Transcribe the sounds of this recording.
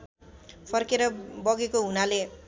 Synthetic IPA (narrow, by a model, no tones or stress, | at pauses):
pʰʌrkeɾʌbʌɡekoɦunale